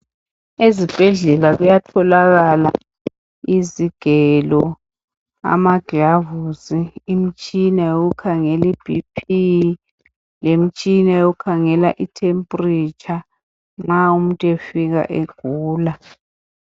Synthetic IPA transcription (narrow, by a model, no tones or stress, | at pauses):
ezib̥ʱɛɮɛlaɣujatʰɔlaɣala̰ | iziɡ̥ʱɛlɔ | a̰maɡ̥ʱavusiːm̩t͡ʃʼinajoɣukʰaŋɛlib̥ʱipʰi | lem̩t͡ʃʼinajoukʰaŋɛlaʔitʰempʼrit͡ʃʰʼa | ŋ͡ǁaum̩tʼefiɣa̰ʔeɡ̥ʱuːla